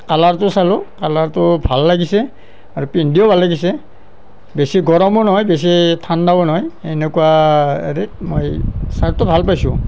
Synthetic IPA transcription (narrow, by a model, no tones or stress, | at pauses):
kalaɹtʊsalʊkalaɹtʊbʱalːaɡisɛ | aɹupindiɔbʱalːaɡisɛ | besiɡɔɹɔmɔnɔɦɔjbes̬itʰandabɔnɔɦɔjenekuwaḛɹemojsaɹtʊbʱalpajsʊ̰̃